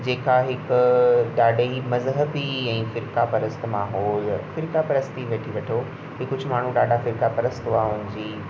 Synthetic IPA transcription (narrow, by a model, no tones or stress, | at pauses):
d͡ʑeːkaɦɪkʊɗaːɖimɐzɦəbiɛ̃ːfɪɾkapɐɾəst̪maːɦɔːlfɪɾkapɐɾəst̪iʋeːʈʰiʋɐʈʰo | ɦiːkːʊd͡ʑʱʊ̆maːɳ̤ũɗaːɖʱafɪɾkapɐɾəst̪ɦuaɦʊnɪ̃ɲd͡ʑiː